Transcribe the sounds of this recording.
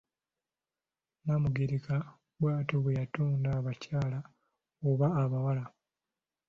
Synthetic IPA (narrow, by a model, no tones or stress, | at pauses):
namuɡiɾika | bwaːtoβejatuːndaːβacaːla | oβaːβawala